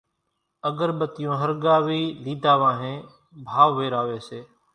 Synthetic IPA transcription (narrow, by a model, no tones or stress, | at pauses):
əɡəɾɓət̪ɪjõːɦəɾɡaːʋiːliːd̪ʱaːʋãːɦẽː | bʱaːʋːeːɾaːʋeːseː